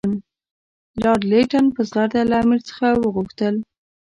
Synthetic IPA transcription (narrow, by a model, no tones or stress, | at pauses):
n | lɑɾleʈanpəzɣaɾd̪alaːmiɾt͡sə̥xawəɣuxt̪əl